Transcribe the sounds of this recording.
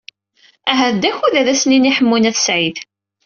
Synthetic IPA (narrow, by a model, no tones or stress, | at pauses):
æɦæðd̪æçuðæðæsniniħəmːunæθsʕið